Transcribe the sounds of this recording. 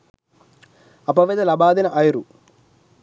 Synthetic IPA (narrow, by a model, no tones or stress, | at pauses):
ɐpɐʋed̪ɐlɐbaːd̪inɐʔɐjɾu